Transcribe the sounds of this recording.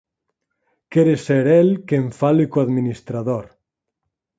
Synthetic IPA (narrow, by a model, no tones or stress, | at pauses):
kɛɾeseɾɛlkeɱfalɪkoaðminist̪ɾaðoɾ